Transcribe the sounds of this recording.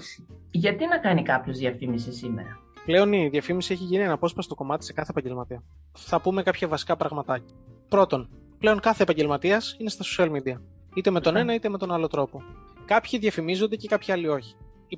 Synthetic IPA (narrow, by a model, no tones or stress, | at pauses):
ʝɐt̪inɐkɐnikɐpço̞zðjɐfimisisime̞̰ɾɐ | ple̞o̞niðjɐfimisieçiʝinie̞nɐpo̞spɐst̪o̞ko̞mɐt̪i̥se̞kɐθepɐɲɟe̞lmɐt̪iɐ | θɐpume̞kɐpçɐvɐsi̥kɐpɾɐɣmɐt̪ɐcɐ̥pɾo̞t̪o̞n | ple̞oŋkɐθeːpɐɲɟe̞lmɐt̪iɐsine̞st̪ɐso̥siɐlmid̪iɐ | it̪e̞me̞t̪o̞ne̞nɐit̪e̞me̞t̪o̞nɐlo̞t̪ɾo̞po̞kɐpçiðʝɐfimizo̞nd̪e̞ce̞kɐpçiɐlio̞çi̥